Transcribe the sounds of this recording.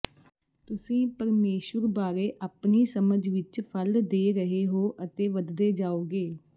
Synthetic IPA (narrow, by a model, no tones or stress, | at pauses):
t̪ʊsĩːpəɾmeːʃəɾbaːɾeːʔaːpniːsəməd͡ʒʋɪt͡ʃpʰəld̪eːɾəɦeːɦoːʔət̪eːʋəd̪d̪eːd͡ʒaːoːɡeː